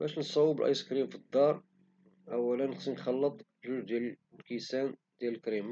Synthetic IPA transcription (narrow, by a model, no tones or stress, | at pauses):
bæʃnt̪sˤɑwːəbəlʔɑ̰jskɾimfid̪ːɑɾˤ | ʔæwːælənːxsinxɑlːət̪ˤ | ʒuʒd̪jæl | kisænd̪̥jæləlkɾim